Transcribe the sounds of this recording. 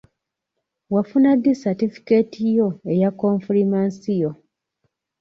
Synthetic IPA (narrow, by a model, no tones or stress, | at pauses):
wafunad̪ːisatifi̥ketijo̞e̞jakːõɱfuɾimansijo̞